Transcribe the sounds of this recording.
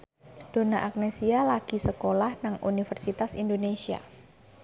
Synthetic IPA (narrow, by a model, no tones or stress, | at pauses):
d̥o̤naʔak̚nesialaɡ̥i̤səkolahnaŋʔṵnifərsit̪asindonesia̰